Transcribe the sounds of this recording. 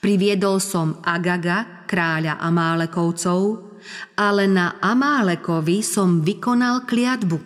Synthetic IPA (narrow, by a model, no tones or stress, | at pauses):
pɾiʋɪɛd̪ɔlsɔmaɡaɡa | kɾaːʎaʔamaːlɛkɔʊt͡sɔʊ | ʔalɛnaʔamaːlɛkɔʋisɔmʋikɔnalklɪad̪bu